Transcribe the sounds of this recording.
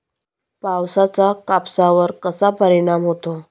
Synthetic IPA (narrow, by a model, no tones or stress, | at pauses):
pawsat͡sakapsaʋəɾkəsapəɾiɽ̃amɦot̪o